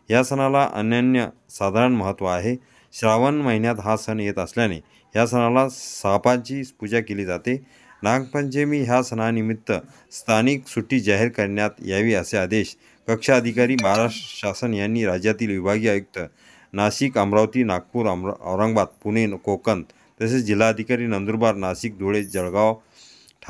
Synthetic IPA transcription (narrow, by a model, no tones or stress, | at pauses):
ɦjasənalaʔə̰njənjə | sad̪ʱaɾəɳməɦət̪ːʋəaɦe | ɕɾaʋənməɦinjat̪ɦasənjet̪əsljanḛ | ɦjasənalasapãɲt͡ɕiːspud͡ʑakeliːd͡zat̪e | naŋɡpəɲt͡ɕemiːɦjasənanimit̪ːə | st̪ʰaniksuʈiːd͡ʑaɦeɾkəɾɳjat̪jaʋiːəsead̪eɕ | kəkʂaəd̪ʱikaɾiːməɦaɾaʂʈɾəɕasənjanːiːɾad͡ʑjat̪iːlʋibʱaɡiːajuk̚t̪ə | naɕikəmɾaʋt̪iːnak̚puːɾəmə̰ʋɾəŋɡbat̪̚punenkokənd̪ | t̪əsed͡ʑil̤ːaəd̪ʱikaɾiːnənd̪uɾbaɾnaɕik̚d̪ʱuɭed͡ʑəɭɡaʋ | ʈʰ